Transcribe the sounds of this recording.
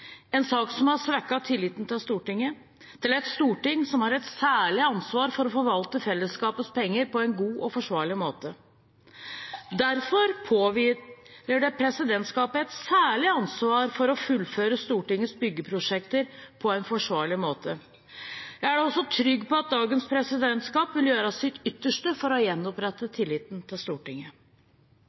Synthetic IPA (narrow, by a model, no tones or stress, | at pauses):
ɛnsɑːksɔmhɑsʋækːɑt̪ʰɪlːiːt̪n̩t̪ʰɪlst̪uːʈɪŋːə | t̪ʰɪlɛt̪st̪uːʈɪŋsɔmhɑɾɛt̪sæːɭɪɑnsʋɑːɾfɔɾɔfɔʋɑlt̪əfɛlːəskɑːpəspʰɛŋːəɾpʰɔɛnɡuːʔɔfɔʂʋɑːɭɪmoːt̪ə | d̪æɾfɔɾpʰoːʋ | əɖɛpʰɾɛsɪd̪ɛnt̪skɑːpəɛt̪sæːɭɪɑnsʋɑːɾfɔɾɔfʉlføːɾəst̪uːʈɪŋːəsbʏɡːəpʰɾʊʂɛkt̪əɾpʰɔɛnfɔʂʋɑːɭɪmoːt̪ʰə | jæɪæɖɛɔsːɔt̪ʰɾʏɡːpɔɑt̪̚d̪ɑːɡənspʰɾɛsɪd̪ɛnt̪skɑːpʋɪljøːɾəsɪt̪ʏt̪ːəʂʈəfɔɾɔjɛnːɔpɾɛt̪ːət̪ʰɪlːɪːt̪nt̪ʰɪlst̪uːʈɪŋə